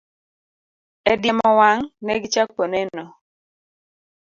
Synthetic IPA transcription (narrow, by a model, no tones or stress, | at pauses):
ɛdjɛmɔwaŋnɛɡɪt͡ʃak̚ponɛnɔ